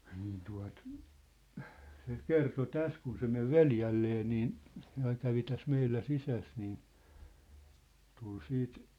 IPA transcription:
niːn tuɑ̝t se kerto tæs kun se meʋ ʋeljælːeː niːn se ɑiŋ kæʋi tæs meilːæ sisæs niː tul siːt

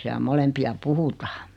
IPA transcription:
siæl molempiɑ puhutɑː

